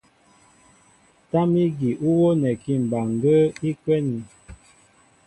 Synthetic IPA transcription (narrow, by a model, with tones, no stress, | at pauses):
ta˦mi˦ɡi˨ʔu˦wo˦nɛ˨ki˦˨m̩˨ba˨ŋ˨ɡə˦i˦kwɛ˦ni˨